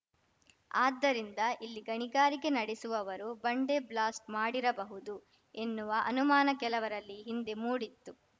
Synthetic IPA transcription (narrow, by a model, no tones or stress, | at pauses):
aːd̪ːɐɾind̪ɐilːiɡɐɳiɡaːɾiɡe̞nɐɽesuʋɐʋɐɾubɐɳɖeblaːsʈmaːɽiɾɐbɐɦud̪u | e̞nːuʋɐʔɐ̰numaːnɐkɛlɐʋɐɾɐlːiɦind̪e̞muːɽit̪ːu